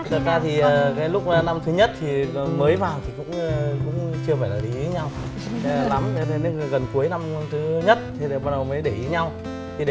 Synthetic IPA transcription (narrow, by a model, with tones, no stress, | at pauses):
t̪ʰɨ˨˩t̚zaː˧t̪ʰi˨˩ʔəː˨˩kaː˨˦jlʊ˦˥k͡p̚ːna˧mt̪ʰɨ˨˦ɲə˦˥t̚t̪ʰi˨˩˨məː˨˦jvaː˨˩wt̪ʰi˨˩kʊ̰˧˥ŋ͡mkʊ̰˧˥ŋ͡mt͡ɕɨ˧əfaː˧˩jlaː˨˩ʔḭ˨˦i˨˦ɲa˧wʰ | la˨˦m˧e˧ne˨˦˨ɣə˨˩nku˨˦əjna˧m˧t̪ʰɨ˨˦ɲə˦˥t̚t̪ʰe˨˦˨ɓaː˧ɗə˨˩wməː˨˦jɗe˧˩ʔi˨˦ɲa˧w | t̪ʰi˨˩˨